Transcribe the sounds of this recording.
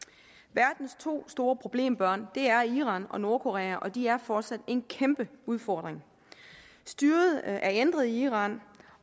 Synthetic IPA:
ʋæɐd̥n̩st͡sʰo̝̰ːsd̥o̝ːɐpʰʁo̝b̥le̝̰ːmb̥ɶɐ̰nd̥e̝æɐiʁɑ̈nɒ̽no̝ɐkʰo̝ʁɛæʔɒ̽d̥iæɐfɒːd̥sæd̥e̝nkʰemb̥əuð̞ˠfɒːd̥ʁeŋ | sd̥yːɐð̞̩ˠæɐend̥ʁɐð̞̩ˠiiːʁɑ̈ːn

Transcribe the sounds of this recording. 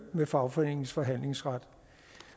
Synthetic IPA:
mefɑ̈ʊfɒene̝ŋn̩sfɒ̽ɦæn̰le̝ŋsʁad̥

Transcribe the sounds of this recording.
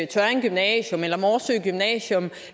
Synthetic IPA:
t͡sʰænɡ̥ymnɛɕjomelɐmɒːsyɡ̥ymnɛɕjom

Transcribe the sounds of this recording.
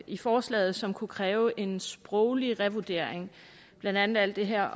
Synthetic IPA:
ifɒːslɛ̰ːð̞̩ˠsɒ̽mkʰukʰʁɛːʊʔe̝nsb̥ʁɔʊliʁɛʋud̥e̝ɐ̰eŋ | b̥lænd̥æn̰ð̩ˠæl̰d̥e̝ɦeɐ̰

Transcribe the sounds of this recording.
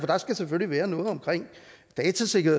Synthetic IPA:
fɒ̽d̥ɑ̈sɡ̥æseføliʋæːɐnɔ̽ːð̩ˠɒ̽mkʰʁeŋ̰d̥ɛːt͡sʰæse̝ɡɐhe̝

